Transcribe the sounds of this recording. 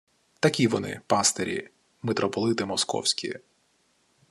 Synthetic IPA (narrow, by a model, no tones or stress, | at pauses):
t̪ɐkʲiʋɔnɪ̰pɑst̪eɾʲḭ | met̪ɾʔɔpɔlˠɪt̪ɪmɔskɔ̰wsʲkʲḭ